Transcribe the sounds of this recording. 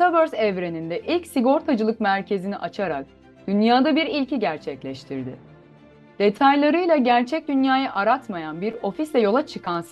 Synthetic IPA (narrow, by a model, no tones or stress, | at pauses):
t̪abøɾzɛvɾe̞nind̪ɛʔilʲcsiɡo̞ɾt̪ʰad͡ʒɯlˠɯkmæɾcʰe̞ziniʔat͡ʃʰaɾa̰k̚ | d̪̥ynjaːd̪abiɾilʲciɟæɾt͡ʃʰɛclʲɛʃt̪ʰiɾd̪ɪ | d̪̥e̞t̪ʰajlˠaɾɯjlˠaɟæɾt͡ʃʰɛc̚d̪ynjaːjaʔaɾat̪majanbiɾo̞fislʲɛjo̞lˠat͡ʃʰɯkʰans